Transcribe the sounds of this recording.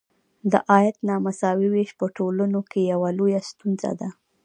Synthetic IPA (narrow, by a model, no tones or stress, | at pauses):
d̪ə̰ʔɑjat̪nɑmasɑwiweʃpəʈolənokejawalojast̪unza̰d̪a